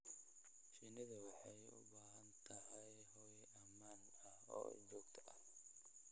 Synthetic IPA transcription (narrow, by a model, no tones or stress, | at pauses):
ʃinɪðɐwɑħɑjʊ̰baːɦɐnt̪ʰɐɦɛj | ɦɔːjɛʔɐmaːn | ɐhɔ̰ːd͡ʒɔːɡt̪ʰɐ̥ʔɐh